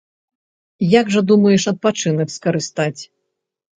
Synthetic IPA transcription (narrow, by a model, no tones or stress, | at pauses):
jaɡʐɐd̪umɐjɛʂɐt̪̚pat͡ʂɨnɐkskɐɾɨst̪at͡sʲ